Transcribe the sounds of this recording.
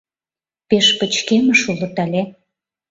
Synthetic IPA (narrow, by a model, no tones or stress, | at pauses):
peʃpə̆t͡ɕkemə̆ʃulɤ̆t̪ɑlʲe